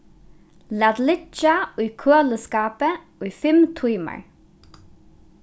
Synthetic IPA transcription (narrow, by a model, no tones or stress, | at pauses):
laːt̪lɪt͡ʃaʊjkʰøːləskaːpə | ujfɪmt̪ʰujma̰ɹ